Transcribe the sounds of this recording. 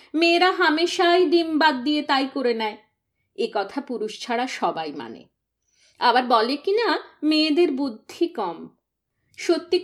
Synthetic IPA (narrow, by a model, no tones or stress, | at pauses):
meːɾaɦameʃajd̪imbad̪̚ːijet̪ajkoɾenɛe | ekɔt̪ʰapuɾuʃt͡ɕʰaɽaʃɔbajma̰nḛ | abaɾbɔlekinameːd̪eɾbud̪ʱːikɔm | ʃot̪ːi